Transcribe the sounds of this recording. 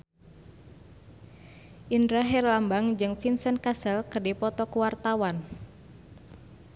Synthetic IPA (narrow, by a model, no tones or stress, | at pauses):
ʔindɾaɦɛrlambaŋd͡ʒɨŋfinsənkasɛlkərdipɔt̪ɔkuwart̪awan